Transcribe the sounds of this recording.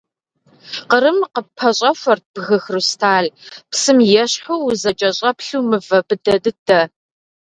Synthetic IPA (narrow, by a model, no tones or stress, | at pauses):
qəɾɨmqəpʰɐɕʼɐfʷɐrt̚b̥ɣɐxrustʰaːɮpsɨmjɛɕħuwzɐt͡ʃʼɐɕʼɐpɬuːmɨvɐbɨdɐdɨdʰɐ